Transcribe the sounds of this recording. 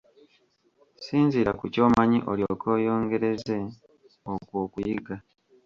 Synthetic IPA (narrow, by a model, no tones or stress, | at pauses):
siːnziɾakuco̞ːmaɲiʔoljo̞kʰo̞ːjo̞ːŋɡe̞ɾe̞ze̞ | okwoːkujiɡa